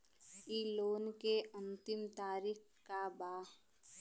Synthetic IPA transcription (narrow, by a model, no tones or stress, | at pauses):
iːloːnkeʔə̃nt̪ɪmt̪aːɾiːk | kabaː